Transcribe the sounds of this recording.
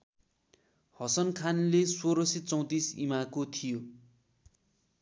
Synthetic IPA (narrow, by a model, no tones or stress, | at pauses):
hʌsʌnkʰanlesoɾʌsit͡sʌ̃w̃t̪isḭmakot̪ʰijo